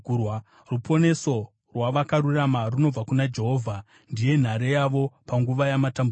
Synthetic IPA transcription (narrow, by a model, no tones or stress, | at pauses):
w | rupʰo̞ne̞so̞ | rwaʋakaruramaruno̞b͡vakunad͡ʒe̞ɦo̞ːvʱa | ndije̞n̤aɾejaʋo̞paŋɡuʋajamatambu